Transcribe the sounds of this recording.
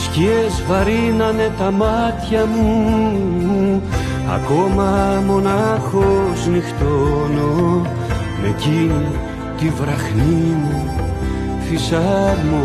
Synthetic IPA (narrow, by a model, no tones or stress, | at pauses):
sciezvɐɾinɐne̞t̪ɐmɐt̪çɐmu | ɐ̰ko̞mɐmo̞nɐxoznixt̪ono | mḛcinu | t̪ivɾɐxnimu | fisɐɾmu